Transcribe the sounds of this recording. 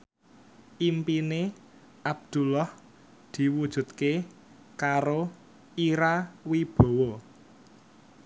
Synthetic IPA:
ʔimpine | ʔab̚d̪̥ṳlɔh | d̪̥i̤wud̥ʒ̥ṳt̪̚ke | kaɾo | iɾawib̥o̤wɔ

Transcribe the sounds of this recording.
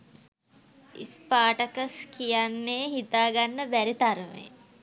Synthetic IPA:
ḭspaːʈəkəskijanːejɦit̪aːɡanːəbæɾit̪aɾmḛ

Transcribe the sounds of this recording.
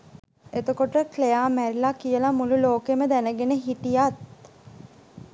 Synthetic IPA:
et̪əkoʈəklejaːmæɾilakijəlamululoːkeməd̪ænəɡenəɦiʈijat̪̚

